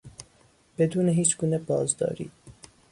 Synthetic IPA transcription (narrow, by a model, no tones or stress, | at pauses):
b̥ed̪uːneɦiːt͡ʃɡuːnɛbɒːzd̪ɒ̰ːɾḭːd̪